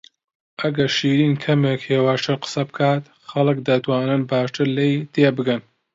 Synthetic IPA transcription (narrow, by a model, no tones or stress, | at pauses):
ʔɐɡɐɾʃiːɾiːnkʰɐmeːkheːwaːʃt̪ʰɨɾqə̥sɐbɨkʰaːt̪ | xɐlˠɨkd̪ɐt̪waːnɨnbaːʃt̪ʰɨɾlejt̪ʰeːbɨɡɐn